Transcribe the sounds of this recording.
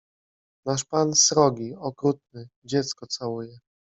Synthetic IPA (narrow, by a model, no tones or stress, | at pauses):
naʂpansɾɔɡʲiɔkɾut̪̚nɘd͡ʑɛt̪skɔt̪sawujɛ